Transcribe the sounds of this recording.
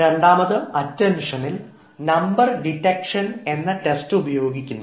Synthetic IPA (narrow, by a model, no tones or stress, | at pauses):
ɾe̞ɳɖaːmɐðɐmɐtːɐmʂɐnil | nɐmbɐrɖiʈːɐkʂɐne̞nːɐʈestɨubɐjo̞ːɡikʲːunː